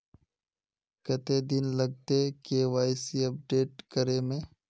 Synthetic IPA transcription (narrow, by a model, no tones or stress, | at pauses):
kɐt̪ed̪ɪnlɐɡ̚t̪ekeːʋaːjsiɐp̚ɖeːʈkəɾemẽː